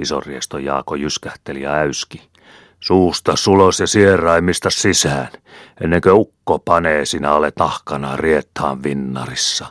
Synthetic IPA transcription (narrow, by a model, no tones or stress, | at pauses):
iso̰rriest̪ojɑ̰ːkojyskæht̪elijɑ̰æyski̥ | suːst̪ɑsulosjɑsierˑɑimist̪ɑssisæːnenːeŋkøukːopɑneːsinæolet̪nɑhkɑnɑːriet̪hɑ̰ːʋʋinːɑ̰risːɑ